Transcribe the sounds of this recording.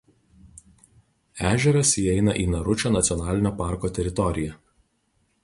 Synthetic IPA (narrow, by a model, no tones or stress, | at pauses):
æːʒʲɛɾɐsiːɛɪnɐʔiːnɐɾʊt͡ʃʲoːnɐt̪sʲɔnɑːlʲɪnʲoːpɑˑɾkoːt̪ʲɛɾʲɪt̪ɔɾʲɪjɛ